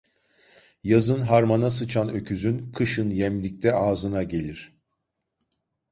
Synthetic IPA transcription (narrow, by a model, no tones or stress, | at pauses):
jazɯnɦaɾmanasɯt͡ʃʰanø̞cʰyzynkʰɯʃɯnjɛmlʲic̚t̪ʰɛaːzɯnaɟe̞lʲiɾ̝̥